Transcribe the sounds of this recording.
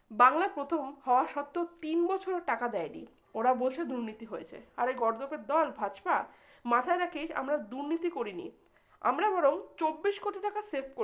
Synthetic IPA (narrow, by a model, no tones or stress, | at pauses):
baŋlapɾot̪ʰomhɔoaʃɔt̪ːot̪inbɔt͡ɕʰoɾeʈakad̪ɛenḭ | oɾabolt͡ɕʰed̪uɾnit̪iɦojet͡ɕʰḛaɾeɡɔɾd̪opeɾd̪ɔlbʱat͡ɕpa | mat̪ʰaeɾakʰea̰mɾad̪uɾnit̪ikoɾinḭ | a̰mɾabɔɾomt͡ɕobːiʃkoʈiʈakaseɾpʰko